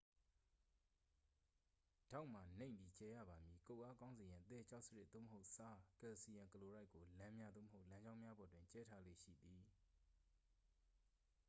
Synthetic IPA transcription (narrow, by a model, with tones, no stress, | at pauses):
d̥a˦˨ʊʔm̥a˨nẽ˦˨ɪ̃mbi˨t͡ɕɛ˦jä̰˦˨ba˨mji˨ko˦˨ʔa˦kã˦ʊ̃nze˨jã˨ʔət̪ɛ˦˨t͡ɕʰa˦ʊʔsə˦ɹɪ˦ʔ̪̚d̪o̰˦˨məɦo˦ʊʔsa˦kɛ˨si˨jã˨ŋkəlo˨ɹa˦ɪkːo˨lã˦mja˦d̪ðo̰˦˨mə˨ho˦ʊʔlã˦ɲd͡ʑã˦ʊ̃mja˦bɔ˨twɪ̃˨t͡ɕɛ˦tʰa˦lḛ˦˨ʃḭ˦˨d̪i˨